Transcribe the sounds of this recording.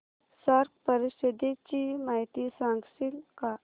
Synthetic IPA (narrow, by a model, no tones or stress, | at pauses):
saɾkpəɾisəd̪et͡ɕiːmaɦjt̪isãŋɡsiːlka